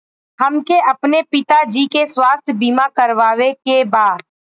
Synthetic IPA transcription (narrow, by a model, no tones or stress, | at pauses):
ɦɐmkeʔɐpnepɪt̪ad͡ʒiːkeswaːst̪ʰjəbiːmakɐɾʋaːʋekebaːɾ